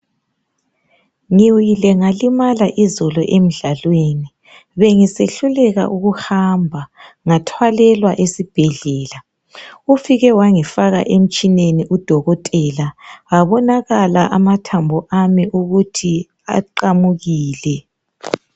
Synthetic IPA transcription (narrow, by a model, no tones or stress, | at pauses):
ŋiwjilɛŋalimalaʔizɔlɔʔem̩ɮalweːni | βeŋiseɬulɛɣa̰ʔuɣuhambʱa | ŋatʰwalɛlwaʔesib̥ʱɛɮɛːla | ufiɣɛwaŋifaɣa̰ʔem̩t͡ʃʼineniʔud̥ʱɔɣɔtʼɛlaaβɔnaɣalaʔamatʰambʱɔʔamiʔuɣutʰi | a̰ǃamuɣiːlɛ